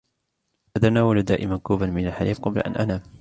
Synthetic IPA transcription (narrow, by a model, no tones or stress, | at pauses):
fat̪anaːwalad̪aːʔɪmankuːbanmɪnalħaliːfqɑbla̰ʔa̰nʔanaːm